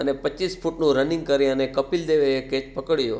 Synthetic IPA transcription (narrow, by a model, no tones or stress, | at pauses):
ənepət͡ʃːisfʰuʈnũɾənɪ̃ŋɡ̚kəɾeənekəpild̪eʋeeket͡ʃpəkəɽjo̰ː